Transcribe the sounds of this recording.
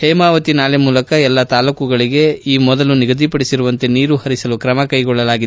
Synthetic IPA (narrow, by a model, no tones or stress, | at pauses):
hɛːmaːʋɐt̪inaːlemuːlɐkɐɛlːɐt̪aːlukuɡɐɭiɡe̞iːmɔd̪ɐluniɡɐd̪ʱipɐɽisiɾuʋɐnt̪e̞niːɾuhɐɾisɐlukɾɐmɐkɐjɡɔɭːɐlaːɡid̪